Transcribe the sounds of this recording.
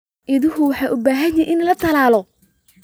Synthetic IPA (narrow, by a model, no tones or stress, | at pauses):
ʔɪðʊɦʊwɑħɑːʔʊbaːɦɐnjɪʔɪnlɐt̪ʰɐlaːlɔ